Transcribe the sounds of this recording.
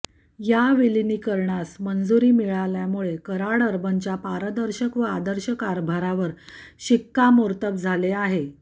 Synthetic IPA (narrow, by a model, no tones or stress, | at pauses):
jaʋiliniːkəɾɳasmənd͡zuɾiːmiɭaljamuɭekəɾaɽəɾbənt͡ɕjapaɾəd̪əɾɕəkʋəad̪əɾɕəkaɾbʱaɾaʋəɾɕikːamoɾt̪əp̚d͡zʱaleaɦe